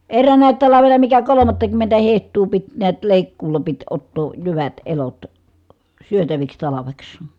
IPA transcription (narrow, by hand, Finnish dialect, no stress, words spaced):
erːæːnæˑi̯t tɑlɑʋenɑ mikæ kolomɑtːɑkymːentæ hehtˑuː pit niæt leˑikːuːlɑ pit otːoː jyʋæt elot syøtæʋiks tɑlɑʋeks